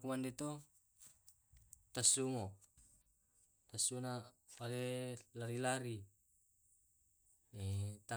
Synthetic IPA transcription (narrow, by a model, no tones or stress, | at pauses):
kumandet̪o | t̪asumo | t̪asuna | walelaɾilaɾi | et̪a